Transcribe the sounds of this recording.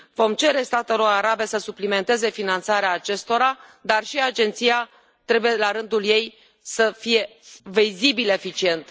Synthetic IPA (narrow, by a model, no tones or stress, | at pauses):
vo̞mt͡ʃe̞ɾe̞st̪at̪eloɾaɾabe̞səsuplime̞nt̪e̞ze̞finant̪saɾeaːt͡ʃe̞st̪o̞ɾa | d̪arʃiad͡ʒe̞nt̪sija | t̪ɾe̞buje̞laɾɨnd̪ulje̞j | səfije̞vizibile̞fit͡ʃie̞nt̪